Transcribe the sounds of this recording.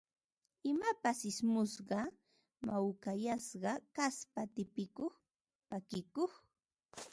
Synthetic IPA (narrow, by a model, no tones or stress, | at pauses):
ɪmapasɪsmʊsɢɑ | mawkajasɢɑkaspat̪ɪpɪkoχ | pakɪkoχ